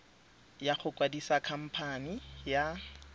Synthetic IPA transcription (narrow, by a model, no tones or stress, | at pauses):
jaχʊkʼwadisakʰam̩pʰanija